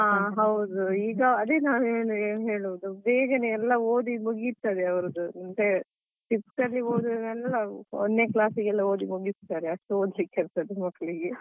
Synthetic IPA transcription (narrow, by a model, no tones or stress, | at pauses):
aːɦɐwd̪uiːɡɐɐd̪enaːneːnueːnɦe̞ːɭuʋud̪ubeːɡɐneɛlːɐoːd̪imuɡit̪ad̪eɐʋɐɾɐd̪uɐnt̪e | ʈipskɐɾlioːd̪uɛlːɐɔnːe̞ːklaːsiɡɛlːɐoːd̪imuɡist̪aːɾeɐʂʈuoːd̪likːeɐɾt̪ad̪emɐkːɐɭiɡe